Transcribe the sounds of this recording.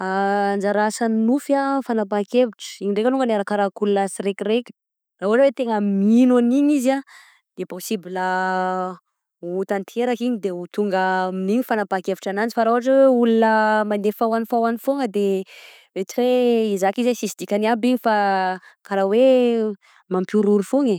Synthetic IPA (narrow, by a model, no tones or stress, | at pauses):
and͡ʒaɾasannufafanapakeviʈ͡ʂə̥iɲiɳɖ͡ʐekanuŋɡənaɾakaɾakulunasirekirekʲ | raɦuaʈ͡ʂwet̪eŋəminaniɲiza | d̪̥eposibilə | ut̪ant̪ʰeɾakiɲid̪eut̪uŋɡəminiɲifanabakeviʈ͡ʂanand͡ʒifaɾauaʈ͡ʂeweulunəmand̪efawanifawanifoŋəd̪e | et͡ʃiɾeizakizesisid̪ikʲaniabiɲifakaɾawe | mampuɾuɾufoŋe